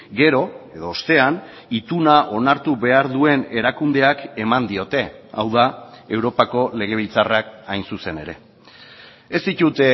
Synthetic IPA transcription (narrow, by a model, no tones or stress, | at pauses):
ɡe̞ɾo̞e̞ðo̞ːst̪e̞an | it̪unaʔo̞naɾt̪uβe̞aɾðue̞ne̞ɾakund̪e̞ake̞mand̪io̞t̪e̞a̰wðae̞wɾo̞pako̞le̞ɣ̞e̞β̞ilt͡sarakajnsuse̞ne̞ɾe̞ | e̞st̪it̪ut̪e